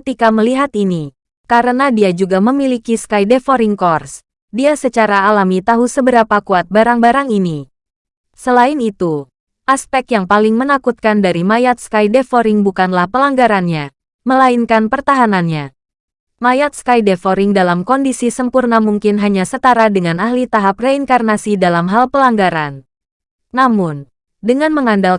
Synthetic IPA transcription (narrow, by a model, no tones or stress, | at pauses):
kət̪ikaməliɦat̪ini | kaɾənadiad͡ʒuɡaməmilikiskajdefoɾɪŋkɔrs | diasət͡ʃaɾaːlamit̪aɦusəbəɾapakuat̪̚baɾaŋbaɾaŋini | səlainit̪u | ʔaspɛk̚t̪jaŋpalɪŋmənakut̪̚kandaɾimajat̪̚skajdefoɾɪŋbukanlahpəlaŋɡaɾanɲa | məlainkanpərt̪aɦananɲa | majat̪̚skajdefoɾɪŋdalamkɔndisisəmpurnamuŋkɪnɦaɲasət̪aɾadəŋanahlit̪aɦap̚reiŋkarnasidalamɦalpəlaŋɡaɾanː | amʊn | dəŋanməŋandal